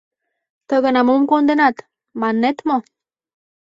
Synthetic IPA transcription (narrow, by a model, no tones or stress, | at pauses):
t̪əɣənamomkond̪enɑt̪ | mɑnːet̪mo